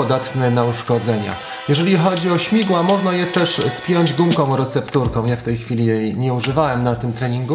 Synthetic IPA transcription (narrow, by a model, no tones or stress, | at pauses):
ɔd̪at̪nɛnauʂkɔd̪zɛɲa̰ | jɛʐɛlʲixɔd͡ʑiɔɕmʲiɡwamɔʐnajɛt̪ɛʂspʲjɔɲd͡ʑd̪umkɔ̃w̃ɾɛt̪sɛpt̪uɾkɔ̃w̃jaft̪ɛjxfʲilʲijɛɲɛuʐɘvawɛmnat̪ɘmt̪ɾɛɲiŋɡu